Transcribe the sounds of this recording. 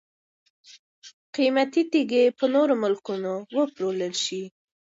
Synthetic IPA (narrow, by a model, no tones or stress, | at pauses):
qimat̪it̪iɡepənoɾomʊlkunowəpɾoləlʃi